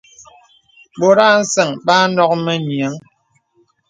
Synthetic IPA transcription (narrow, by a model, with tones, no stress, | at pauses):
bo˨ɾa˦n̩˦sɛ˨ŋba˦nɔ˦k̚me˦˨ɲja˨˦ŋ